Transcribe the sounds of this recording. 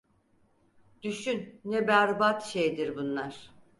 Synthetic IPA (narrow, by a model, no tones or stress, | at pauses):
d̪̥yʃynːɛbæɾbat̪ʃejd̪iɾbunlˠaɾ̥